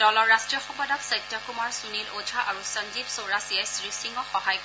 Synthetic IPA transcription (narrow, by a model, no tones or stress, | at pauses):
d̥ɔlɔɹːastɹijɔxɔpɔdɔksajtːakumaɹsunilod͡ʒʱaʔaɹusɔnd͡ʒibsoɹasiɛsɹisiŋɡɔxɔɦajk